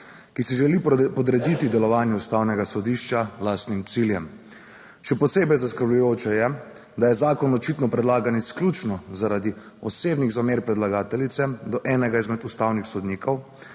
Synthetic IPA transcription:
kisiʒɛlipɔd̪ɾɛd̪it̪id̪ɛlɔʋaːnjɛust̪aːwnɛɡasɔd̪iːʃt͡ʃalaːst̪nimt̪siːljɛm | ʃɛpɔseːbɛjzaskəɾblujoːt͡ʃɛjɛ | d̪ajɛzaːkɔnɔt͡ʃit̪nɔpɾɛd̪laːɡanisklut͡ʃnɔzaɾad̪i | ɔseːbniɣzameːɾpɾɛd̪laɡaːt̪ɛlit̪sɛd̪ɔʔɛːnɛɡaizmɛt̪ust̪awnixsɔd̪niːkʰɔw

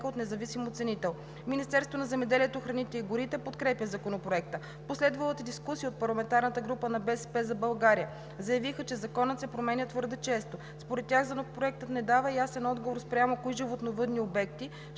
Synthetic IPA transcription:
əot̪nɛzɐvisimot̪sɛnit̪ɛlˠ | minist̪ɛɾsvonɐzɛmɛd̪ɛliɛt̪oxɾɐnit̪ɛiɡʊɾit̪ɛpot̪kɾɛpjʲəzɐkonopɾoɛk̚t̪ə | poslɛd̪vɐlˠət̪əd̪iskusiəot̪̚pɐɾlˠɐmɛnt̪aɾnət̪əɡɾupənɐbɛsɛpɛzɐbɐlˠɡaɾijə | zɐjɐvixət͡ʃɛzɐkɔnət̪sɛpɾomɛnʲət̪vɤɾd̪ət͡ʃɛst̪o | spoɾɛt̪̚ːʲjaɣzɐnokpɾoɛk̚t̪ət̪nɛd̪avəjasɛnɔd̪ɡovoɾspɾʲamokoiʒivot̪novɤd̪niobɛk̚t̪i

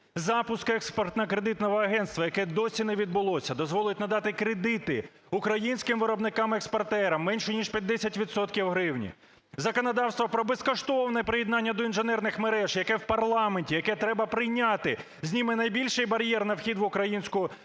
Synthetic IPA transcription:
zɑpʊskɛkspɔrt̪nɐkɾed̪ɪt̪nɔʋɔɐɦɛnt̪st̪ʋɐjɐkɛd̪ɔsʲinɛʋʲid̪̚bʊlˠɔsʲɐd̪ɔzʋɔlˠɪtʲnɐd̪ɑt̪ɪkɾed̪ɪt̪ɪ | ʊkɾɐjinʲsʲkɪmʋɪɾɔbnɪkɑmɛkspɐrt̪ɛɾɐmːɛnʲʃɛnʲiʃpʲjɐt̪̚ʲd̪ɛsʲɐtʲʋʲid̪t̪sɔt̪kʲiwɦɾɪwnʲḭ | zɐkɔnɐd̪ɑwst̪ʋɔpɾɔbeskɔʃt̪ɔwnɛpɾɪjɛd̪nɑnʲːɐd̪ɔinʒɪnɛrnɪxmeɾɛʒjɐkɛwpɐrlˠɑmenʲtʲijɐkɛt̪ɾɛbɐpɾɪjnʲat̪ɪ | zʲnʲimɪnɐjbʲilʲʃɪjbɐɾʲjɛrnɐwxʲid̪ʋʊkɾɐjinʲsʲkʊ

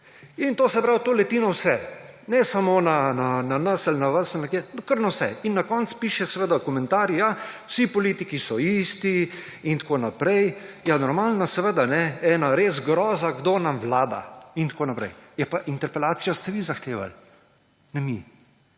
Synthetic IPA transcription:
int̪oːsɛpɾawt̪oːlɛt̪inɔwsɛnɛsamonanananəsalnaʋəsalnɛkenkəɾnawsɛ̰inːakɔnt̪spiːʃɛsɛʋəd̪akɔmɛ̃nt̪aːɾjijawsipɔliːt̪ikisɔiːst̪i | int̪konapɾɛjjanɔɾmaːlnasɛʋəd̪anɛɛnaɾezɡɾɔːzaɡd̪oːnamʋlaːd̪a̰int̪koːnapɾɛjjɛpaʔint̪ɛɾpɛlaːt̪sijast̪ɛʋizaxt̪eːʋa̰l | nɛmi

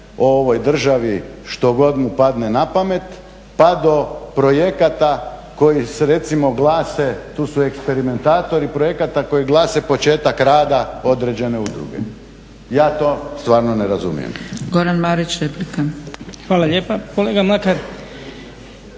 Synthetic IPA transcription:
ooʋo̞jd̪r̩ʒaʋiʃt̪o̞ɡo̞d̪mupad̪ne̞napame̞t̪ | pad̪o̞pɾo̞je̞kat̪ako̞jiseɾe̞t̪simo̞ɡlaːse̞t̪uːsuekspe̞ɾime̞nt̪aːt̪o̞ɾipɾo̞je̞kat̪ako̞jiɡlˠaːse̞po̞t͡ʃe̞ːt̪akɾaːd̪ao̞d̪ɾed͡ʑe̞ne̞ud̪ɾṵɡḛ | jaːt̪o̞ːst̪ʋaːɾnoneɾazumḭjḛmɡo̞ɾanmaɾit͡ɕɾeplikaxʋaːlaʎeːpakoleːɡamlakaɾ

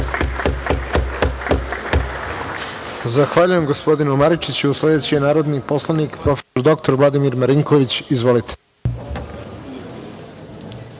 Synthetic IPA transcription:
zaxʋaːʎuje̞mɡo̞spo̞d̪inumaɾit͡ʃit͡ɕuusle̞d̪e̞t͡ɕijenaːɾo̞d̪nipo̞slˠanikpɾo̞fe̥soɾd̪o̞k̚t̪o̞ɾʋlˠad̪imiɾmaɾiŋko̞ʋit͡ɕizʋo̞lit̪ʰe̥

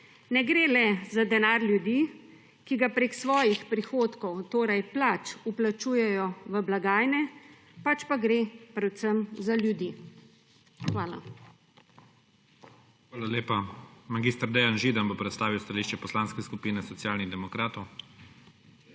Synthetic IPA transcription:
nɛɡɾeːlɛzad̪ɛnaːɾljud̪i | kiɡapɾeksʋɔːjixpɾixoːt̪kɔwt̪oːɾajplat͡ʃuplat͡ʃuːjɛjɔʋəblaɡaːjnɛ | pat͡ʃpaɡɾepɾɛw̪səmzaljud̪i | xʋaːla̰ | xʋaːlaleːpamaɡiːst̪əɾd̪ɛjanʒiːd̪anbopɾɛt̪st̪aːʋiwst̪aliːʃt͡ʃɛpɔslaːnskɛskupiːnɛsɔt̪jaːlniɣd̪ɛmɔkɾaːt̪ɔw

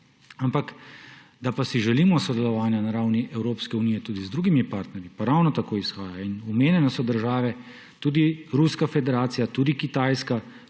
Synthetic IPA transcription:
ampak | d̪apasiʒɛliːmɔsɔd̪ɛlɔʋaːnjanaɾawniʔɛwɾoːpskɛunijɛt̪uːd̪izd̪ɾuːɡimipaɾt̪nɛɾjipaɾawnɔt̪akoːisxaːjainumeːnjɛnɛsɔd̪əɾʒaːʋɛ | t̪uːd̪iɾuskafɛd̪ɛɾaːt̪sijat̪uːd̪ikit̪aːjska

